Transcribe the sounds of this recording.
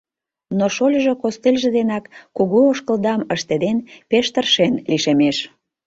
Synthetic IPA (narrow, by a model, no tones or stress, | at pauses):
noʃolʲʒokost̪ilʲʒə̆d̪enɑkːuɣuoʃkəld̪ɑməʃt̪ed̪enpeʃt̪ərʃenliʃemeʃ